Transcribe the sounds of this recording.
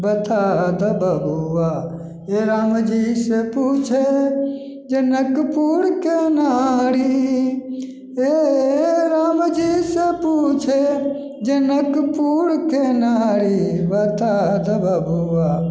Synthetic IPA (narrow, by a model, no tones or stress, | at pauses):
bət̪aːd̪əbʱəbuʋa | eɾaːmd͡ʒiːseput͡ʃʰe | d͡ʒənəkpuːɽkenaːɾi | e | ɾaːmd͡ʒiːseput͡ʃʰe | d͡ʒənəkpuːɽkenaːɾibət̪aːd̪əbʱəbuʋaː